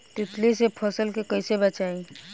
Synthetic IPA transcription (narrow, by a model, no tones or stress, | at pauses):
t̪ɪt̪lisepʰəsəlkekəɪsebət͡ʃaĩ